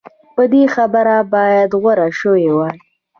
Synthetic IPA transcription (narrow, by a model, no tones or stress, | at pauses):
pəd̪exabəɾabɑjad̪ɣwaɾaʃəwewa